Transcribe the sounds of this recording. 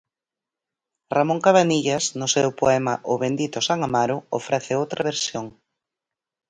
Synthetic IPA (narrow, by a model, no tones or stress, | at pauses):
ramõŋkaβaniʎasnʊsɛwpoɛmaʔʊβend̪it̪osaŋamaɾʊo̰fɾɛθɪowt̪ɾʔaβeɾsjoŋ